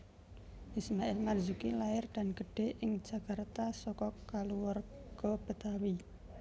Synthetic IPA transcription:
ʔismaɛlmarzukilaɪrd̪̥a̤nɡ̥əɖ̥e̤ʔɪŋ̥d͡ʒ̥a̤kart̪asɔkɔkaluwɔrɡ̥ɔb̥ə̤t̪awi

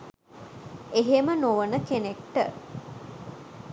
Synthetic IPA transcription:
eɦemənoʋənəkenekʈə

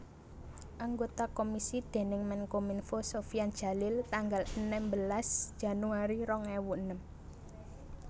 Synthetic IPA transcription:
ʔaŋɡot̪akomisid̪̥e̤nɪŋmɛnkominfosofiand̥ʒ̥a̤lɪlt̪aŋɡalənɛmbəlasd̥ʒ̥ä̤nuaɾiɾɔŋɛwuənəm

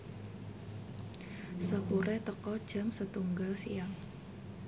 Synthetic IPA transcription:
səpuɾɛt̪əkɔd̥ʒ̥a̤msət̪uŋɡalsiaŋ

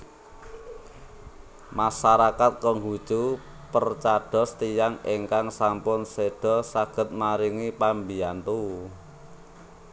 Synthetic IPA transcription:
maʃaɾakat̪̚kɔŋɡut͡ʃu | pərt͡ʃaɖ̥ɔ̤st̪ijaŋeŋkaŋsampʊnseɖ̥ɔ̤saɡ̥ə̤t̪̚maɾiŋipambiant̪u

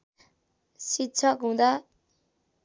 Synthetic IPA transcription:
sit̪̚t͡sʰʌkɦũd̪a

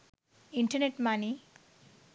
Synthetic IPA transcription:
iɳʈəɾneʈmani

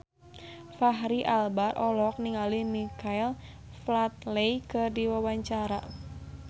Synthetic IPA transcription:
faɦɾiʔalbarʔɔlɔk̚niŋalihnikʰail | flat̪̚lejkɨrdiwawaɲt͡ʃaɾa̰

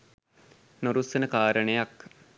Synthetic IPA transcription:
noɾusənəkaːɾəɳejak

